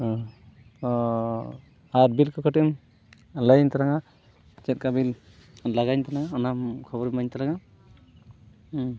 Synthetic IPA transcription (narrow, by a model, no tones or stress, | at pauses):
aɾbilkɔkʰaʈim | lajnt̪aɾaŋa | zɛt̚kabil | laɡajnt̪anaŋaɔnamkʰɔbɔɾimajnt̪aɾaŋa